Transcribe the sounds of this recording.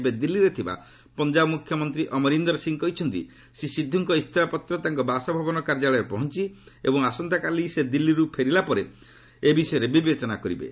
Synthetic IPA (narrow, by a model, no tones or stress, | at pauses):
bed̪ilːiɾet̪ʰiba̰ | pɔnd͡ʒabɔmukʰjɔmɔnt̪ɾiʔɔmɔɾind̪ɔɾsiŋkɔɦjt͡ʃʰɔnt̪ḭ | sisid̪ʱːuŋkɔist̪ʰɔapɔt̪ɾɔt̪aŋkɔbasɔbʱabɔnɔkaɾd͡ʒaɭɔepɔɦɔnt͡ʃiḛbɔŋasɔnt̪akalised̪ilːiɾupʰeɾilapɔɾe | ebisɔɔɾebibet͡ʃɔnakɔɾibḛ